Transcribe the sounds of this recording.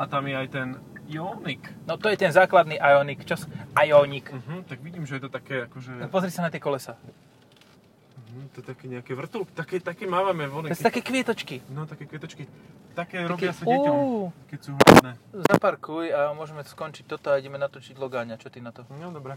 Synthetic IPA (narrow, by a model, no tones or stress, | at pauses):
ʔat̪amjɛajt̪ɛnjɔniknɔt̪ɔjɛt̪ɛnzaːklad̪niʔajɔnikt͡ʃasʔajɔɲikm̩ɦ̩t̪aɡʋiɟiːmʒɛjɛt̪ɔt̪akɛːakɔʒɛpɔzɾisanat̪ɪɛkɔlɛsaː | m̩ɦm̩t̪ɔɛt̪akɛːɲɛakɛʋr̩t̪ulkt̪akɛt̪akɛmaːʋamɛʋɔnɛɛɛt̪akɛːkʋɪɛt̪ɔt͡ʃkinɔt̪akɛːkʋɛt̪ɔt͡ʃkit̪akɛːɾɔbkisuakɛsuːɦlnɛzapaɾkujamʊɔʒɛmɛ̥skɔnt͡ʃic̚t̪ɔt̪ɔaiɟɛmɛnat̪ɔt͡ʃiɟlɔɡaːɲat͡ʃɔt̪inat̪ɔd̪ɔbɾɛ